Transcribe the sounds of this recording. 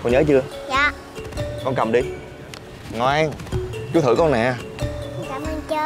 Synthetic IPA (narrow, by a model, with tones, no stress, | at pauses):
kɔ˧nɲəː˨˦t͡ɕɨ˧əjaː˨˩ | kɔ˧nkə˨˩mɗi˧ | ŋɔ˨˩ʔɛ˧ŋt͡ɕu˨˧˦t̪ʰɨ̰˧˩kɔ˧nɛ̰˨˧˩kaː˨˩mə˧nt͡ɕəː˧